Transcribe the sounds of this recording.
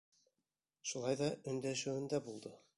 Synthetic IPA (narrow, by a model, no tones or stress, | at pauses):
ʃulˠɑjðɑɵ̆nd̪æʃɘ̆wɘ̆nd̪æbulˠd̪ɤ